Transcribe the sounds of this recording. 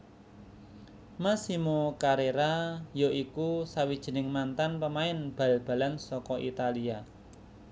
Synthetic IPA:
masimokaɾeɾajoʔikusawid̥ʒ̥i̤nɪŋmant̪anpəmaɪnb̥a̤lb̥a̤lansɔkɔʔit̪alia

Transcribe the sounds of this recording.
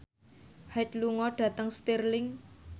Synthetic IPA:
hat̪luŋɔɖ̥ä̤t̪əŋst̪irlɪŋ

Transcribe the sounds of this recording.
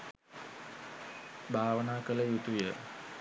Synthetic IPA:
bʱaːʋənaːkələjut̪ujə

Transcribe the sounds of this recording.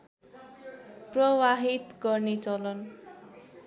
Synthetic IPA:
prʌwaɦit̪ɡʌrnet͡sʌlʌn

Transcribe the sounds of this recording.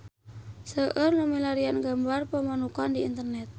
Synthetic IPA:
səʔərnumilaɾianɡambarpəmanukandiint̪ərnɛt̪̚

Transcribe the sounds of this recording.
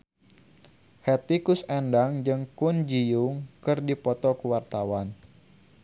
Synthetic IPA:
hɛt̪ikusɛndaŋd͡ʒɨŋkund͡ʒijʊŋkɨrdipɔt̪ɔkəwart̪awan

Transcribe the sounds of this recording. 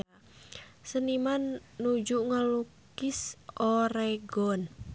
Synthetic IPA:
sənimanːud͡ʒuʔŋalukɪsoɾeɡɔn

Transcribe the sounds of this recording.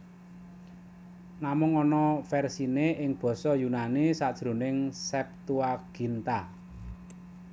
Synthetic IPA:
namʊŋɔnɔfɛrsineʔɪŋb̥ɔ̤sɔjunanisad̥ʒ̥ɾo̤nɪŋsɛp̚t̪uaɡ̥i̤nt̪a

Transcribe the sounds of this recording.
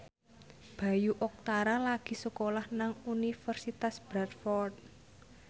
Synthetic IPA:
b̥ä̤juʔɔk̚t̪aɾalaɡ̥i̤səkolahnaŋunifərsit̪asb̥ɾat̪fɔrd̪̚

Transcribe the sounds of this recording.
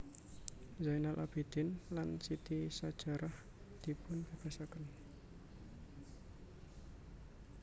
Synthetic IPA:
zajnalʔa̰b̥id̪̥ɪnlansit̪isad̥ʒ̥a̤ɾah | d̪̥i̤pʊnpəb̥asakən

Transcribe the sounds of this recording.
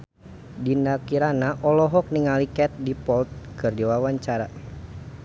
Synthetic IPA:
dindakiɾanaʔɔlɔɦɔk̚niŋalikɛt̪̚dipɔlt̪̚kɨrdiwawaɲt͡ʃaɾa

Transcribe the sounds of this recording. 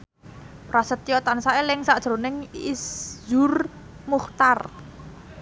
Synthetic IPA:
pɾasət̪jɔt̪ansaelɪŋsaʔd̥ʒ̥ɾonɪŋiszur | muht̪ar

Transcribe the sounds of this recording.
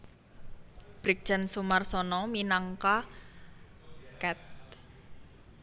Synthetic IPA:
b̥ɾik̚d̥ʒ̥a̤nsumarsɔnɔminaŋka | kɛt̪̚

